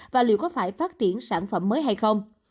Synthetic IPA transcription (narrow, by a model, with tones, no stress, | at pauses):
vaː˨˩lḭ˧˨wkɔ˨˦faː˧˩jfaː˦˥t̚t͡ɕi˧˩ənsaː˧˩nfə̰˧˩mːəː˨˦jɦa˧jxə˧wŋ͡m